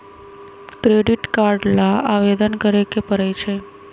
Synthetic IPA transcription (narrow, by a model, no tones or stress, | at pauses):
kɾeɖiʈkaɾɖlaaʋed̪ənkəɾekepəɾet͡ʃʰe